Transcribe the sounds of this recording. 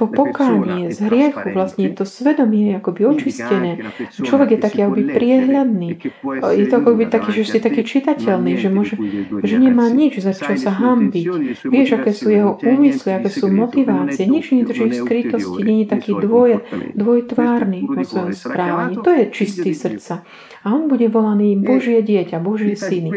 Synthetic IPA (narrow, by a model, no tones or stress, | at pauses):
pɔpɔkaːɲiɛzɦɾɪɛxuʋlastɲɛt̪ɔsʋɛd̪ɔmɪɛakɔbiɔt͡ʃiscɛnɛːt͡ʃlɔʋɛɡjɛt̪akiːakɔbipɾɪɛɦʎad̪niːjɛt̪ɔakɔkɛbit̪akiːʒɛsit̪akiːt͡ʃit̪acɛlniːʒɛmʊɔʒɛʒɛɲɛmaːɲid͡ʒzat͡ʃɔlsaɦambicʋɪɛʒakɛːsuːjɛɦɔʔuːmisliakɛːsuːmɔt̪iʋaːt͡siɛɲɛd͡ʒɲɛɲɛd̪r̩ʒifskɾit̪ɔsciɲɛɲit̪akiːd̪ʋɔjd̪ʋɔjt̪ʋaːɾniːʋɔsʋɔjɔmspɾaːʋaɲiːt̪ɔjɛt͡ʃist̪iːsr̩t̪t͡sa | aɔnbuɟɛʋɔlaniːbɔʒɪɛɟɪɛcabɔʒɪɛsini